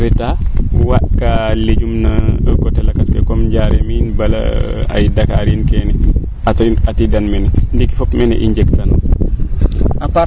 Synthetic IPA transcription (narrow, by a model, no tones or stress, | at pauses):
ɾɛtawaɗkaled͡ʒumnakɔtɛlakaskɛkɔmd͡ʒaɾɛminbala̰a̰jdakaɾinkɛnɛ | aatidanmɛnɛndikifɔpmɛnɛ̰ʔiɲd͡ʒɛktan | ʔapa